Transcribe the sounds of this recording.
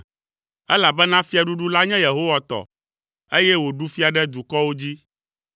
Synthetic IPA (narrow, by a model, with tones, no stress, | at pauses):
ɛ˦la˨bɛ˦nã˦fi˦a˨ɖu˦ɖu˦la˦ɲɛ̃˦je˨ɦo˦wa˨t̪ɔ̰˨ | e˦jɛ˦wo˨ɖu˦fi˦a˨ɖɛ˦d̪u˨kɔ˦wo˦d͡ʑi˦